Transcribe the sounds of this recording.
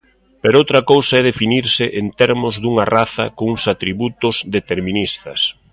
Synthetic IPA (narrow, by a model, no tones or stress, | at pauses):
peɾowt̪ɾɐkowsaɛðefiniɾsɪʔent̪ɛɾmʊzðuŋɐraθɐ̰koŋuŋsat̪ɾiβut̪ʊzðet̪eɾminist̪ɐ̰s